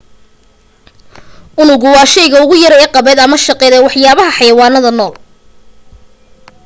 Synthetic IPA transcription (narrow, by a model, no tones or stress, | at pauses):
ʔʊnʊɣʊwɑːʃɛjɣɐʊɣʊjɐɾɛːqɑβɛːd̪ɐmɐʃɑqɛːðɛwɑħjaːβɐɦɐħɑjɐwɑːnɐðɐnɔːl